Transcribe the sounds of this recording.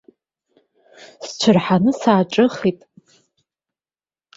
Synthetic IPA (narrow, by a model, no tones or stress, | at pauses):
st͡ʃʷʰɨrħanɨsaːʈ͡ʂʼɨχitʼ